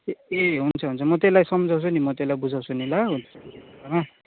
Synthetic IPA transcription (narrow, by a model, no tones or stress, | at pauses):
eɦunt͡sʰʌɦunt͡sʰʌmʌt̪elajsʌmʌd͡zʱaw̃sʰunimʌt̪elajbud͡zʱaw̃sʰunilaɦunʰʌeama